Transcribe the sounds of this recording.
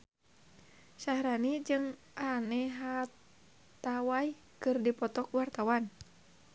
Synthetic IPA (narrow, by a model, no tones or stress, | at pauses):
sahɾanid͡ʒɨŋ | ʔanɛɦa | t̪awaj | kɨrdipɔt̪ɔkwart̪awan